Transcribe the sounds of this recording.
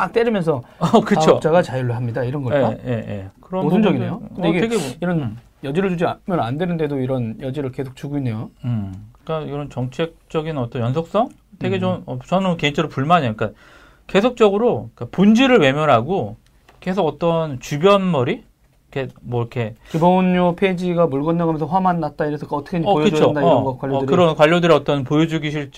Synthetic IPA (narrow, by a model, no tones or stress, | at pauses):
ak̚t͈eɾimjʌnsʰʌʌkɯt͡ɕʰot͡ɕ͈aɡat͡ɕajʌɭːoɦamɲidaiɾʌnɡʌeaje̞̰je̞̰kɯɾʌmʌnʌinejoɯneɡeɡeiɾʌn | jʌd͡ʑiɾɯɭt͡ɕud͡ʑimʌnandwenɯnde̞doiɾʌnjʌd͡ʑiɾɯɭke̞sʰok̚t͡ɕuɡoinːejoɯkɯk͈akɾʌnt͡ɕʌŋt͡ɕʰek̚t͡ɕ͈ʌɡinʌt͈ʌnjʌnsʰok̚s͈ʌŋ | te̞ɡe̞t͡ɕonʌt͡ɕʌnɯke̞int͡ɕʰʌɾopuɭmanek͈a | ke̞sʰok̚t͡ɕ͈ʌɡɯɾoik͈apond͡ʑiɾɯɭwe̞mjʌɾɦaɡo | ke̞sʰoɡʌt͈ʌnt͡ɕubjʌnmʌɾi | kʰemwʌiɾkʰe̞kibʌnːopʰed͡ʑiɡamuɭɡʌnːaɡamjʌnsʰʌɸwamanːat̚t͈aiɾʌsʰʌkʌt͈ʌkʰeʌkɯt͡ɕʰondaiʌɡʌkwaʎːoɾkɯɾʌnkwaʎːodɯɾiʌt͈ʌnpojod͡ʑuɡiɕʰiɭt͡ɕ͈